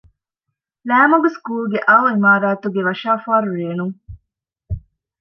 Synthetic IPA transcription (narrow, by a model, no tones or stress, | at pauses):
læːmɐɡuskuːlɡeʔɐoimaːɾaːt̪uɡeʋɐʃaːfaːɾuɾeːnuŋ